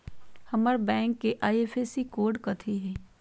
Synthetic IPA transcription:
hɐməɾbɛ̃ːŋkːeʔaːieːfʰesikoːɾɖkɐt̪ʰiɦɛː

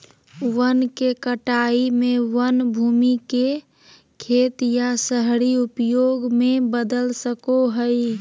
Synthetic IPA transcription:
wənkekəʈaimewənbʱumike | kʰet̪jasəɦɽiupjoɡmebəd̪əlsəkoɦəɪ

